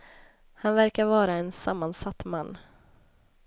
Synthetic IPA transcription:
hanvæɾkaɾvɑːɾaɛnsamːansat̪ːmanː

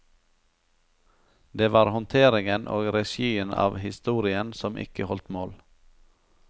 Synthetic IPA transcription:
d̪eːʋɑːɾhɔnt̪ʰeːɾɪŋənʔo̰ːɡɾɛʃiːənɑ̰ːʋhɪst̪uːɾɪənsɔmʔɪ̰kəhɔlt̪moːl

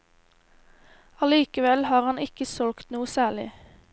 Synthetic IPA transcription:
ɑliːkəʋɛlhɑːʁhɑnɪkəsɔlkt̪nuːəsæːɭɪ̰

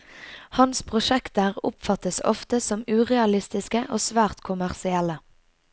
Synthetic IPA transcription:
hɑnspʰʁʊʃɛkt̪əʁʊ̰pfɑt̪əsɔ̰ft̪əsɔmʉːʁɛɑlɪst̪ɪskəʔoːsʋæːʁt̪kʰʊmæʁsɪɛlə

